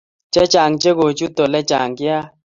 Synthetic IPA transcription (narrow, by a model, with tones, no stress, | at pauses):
t͡ʃɛ˦t͡ʃa˨ŋt͡ʃe˦ɡo˨t͡ʃu˦t̪o˨lɛ˦t͡ʃa˨ŋɡɪ˦a˦